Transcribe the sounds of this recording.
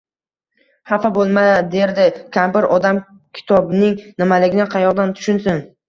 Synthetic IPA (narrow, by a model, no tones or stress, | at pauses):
hafabolˠmad̪e̞ɾd̪ɪkʲʰambɪɾɒd̪am | kʲʰɪ̥t̪ʰɒbnɪŋnɪmalɪɡʲɪnɪqʰɑjɒʁd̪ant̪ʰʊ̥ʃʊnsʊn